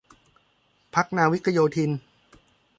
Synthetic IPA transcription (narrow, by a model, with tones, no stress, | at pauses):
pʰa˦˥k̚naː˧wi˦˥kʰːa˧joː˧t̪ʰi˧n